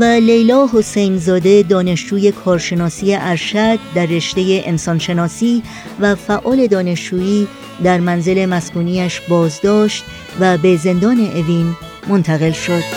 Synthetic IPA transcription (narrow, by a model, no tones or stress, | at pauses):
væle̞jlɒːɦo̞sejnzɒːd̪e̞d̪ɒːne̞ʃd͡ʒuːje̞kʰɒːɾʃe̞nɒːsije̞ʔæɾʃæd̪̚ːæɾːe̞ʃt̪e̞je̞ʔensɒnʃe̞nɒːsiː | væfæʔɒːle̞d̪ɒːne̞ʃd͡ʒuːiː | d̪æɾmænze̞le̞mæskuːniːæʃbɒːzd̪ɒːʃt̪ | væbe̞ze̞nd̪ɒːne̞ʔeviːn | mo̞nt̪ʰæɣe̞lʃo̞d̪̥